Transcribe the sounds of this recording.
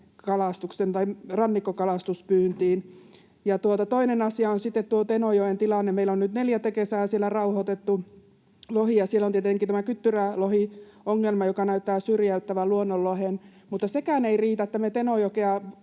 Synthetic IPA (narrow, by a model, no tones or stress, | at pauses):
kɑlɑst̪uksent̪ɑirɑnːikːokɑlɑst̪uspyːnt̪iːn | jɑt̪uot̪ɑt̪oinenɑsiɑonsit̪ːet̪t̪uot̪enojoent̪ilɑnːemeilonnyt̪neljæt̪ːekesæːsielːˑærɑuhot̪et̪ːu | lohijɑsielːont̪iet̪eŋkit̪æmækyt̪ːyrælohi | oŋːelmɑjokɑnæyt̪ːæːsyrjæyt̪ːæʋæluonːolːohen | mut̪ːɑsekæːneiriːt̪æt̪ːæmet̪enojokeɑ